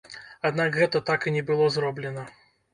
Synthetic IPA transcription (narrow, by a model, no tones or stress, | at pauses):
ad̪nakɣɛt̪ɐt̪akɨnʲɛbɨlˠɔzɾɔblʲɛnɐ